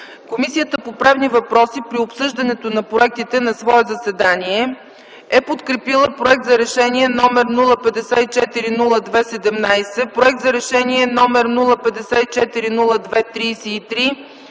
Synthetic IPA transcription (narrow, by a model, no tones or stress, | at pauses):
komisijət̪əpopɾavnivɐpɾɔsipɾiopsɤʒd̪ɐnɛt̪onɐpɾoɛk̚t̪it̪ɛnɐsvɔɛzɐsɛd̪aniɛ | ɛpot̪kɾɛpilˠəpɾoɛk̚t̪zɐɾɛʃɛniɛnɔmɛɾnulˠəpɛd̪ɛsɛit͡ʃɛt̪iɾinulˠəd̪vɛsɛd̪ɛmnajsɛpɾoɛk̚t̪zɐɾɛʃɛniɛnɔmɛɾnulˠəpɛd̪ɛsɛit͡ʃɛt̪iɾinulˠəd̪vɛt̪ɾijsiːt̪ɾi